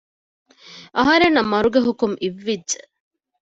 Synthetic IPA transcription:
ʔɐɦɐɾenːɐmːɐɾuɡeɦukumʔiʋːidʒe

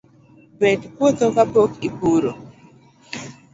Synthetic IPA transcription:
bɛdkwot̪okapokipuɾo

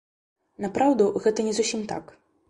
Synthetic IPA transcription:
napɾawd̪uɣɛt̪ɐnʲɛzusʲimt̪a̰k

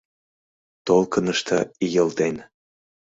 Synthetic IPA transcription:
t̪olkənə̆ʃt̪ʰəijəlt̪en

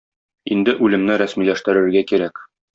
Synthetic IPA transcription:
ind̪ɘʔʉlɘ̆mnɘɾæsmilæʃt̪ɘ̆ɾɘ̆ɾɡækiɾæk

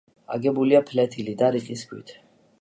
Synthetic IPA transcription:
a̰ɡɛbuliapʰlɛt̪ʰilid̪aɾiqʼiskʰwḭt̪ʰ

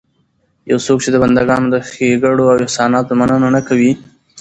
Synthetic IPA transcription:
jawsok̚t͡ʃed̪əband̪aɡɑnod̪əxeɡaɽoawɪhsɑnɑt̪omanənanakawi

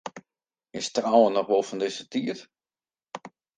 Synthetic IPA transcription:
ɪstrɔwənɔχʋolˠfɔndɪsətiət

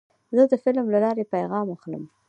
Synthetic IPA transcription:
zəd̪əfɪlmlalɑɾepajɣɑmaxlə̰m

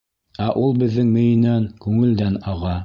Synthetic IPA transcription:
æʔulˠbɘ̆ðːɘŋmɘ̆jɘ̆nænkʉŋɘ̆ld̪ænɑʁɑ

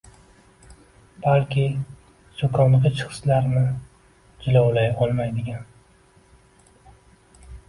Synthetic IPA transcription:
b̥alkʲʰɪ | sokʰɒnlɨqʲɪt͡ʃʰχɨ̥slaɾnɪ | d͡ʒɪlawlajɒlˠmajd̪ɪɡʲan

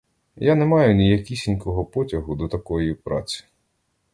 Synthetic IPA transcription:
janɛmɑjʊnʲijɐkʲisʲinʲkɔɦɔpɔtʲɐɦʊd̪ɔt̪ɐkɔjipɾɑ̰t͡sʲi̥

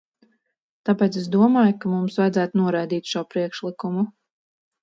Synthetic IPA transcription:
t̪apɛːt̪ses̬d̪uɔmaːjukamumsvajd̪zæːt̪unuɔɾajd̪iːt̪ʃuɔpɾiɛkʃlˠikumu

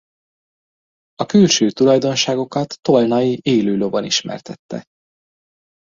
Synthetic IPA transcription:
ɒkylʃøːt̪ulɒjd̪o̞nʃaːɡo̞kɒt̪ːo̞lnɒjiʔeːløːloboniʃmɛ̰rt̪ɛt̪ːɛ̰

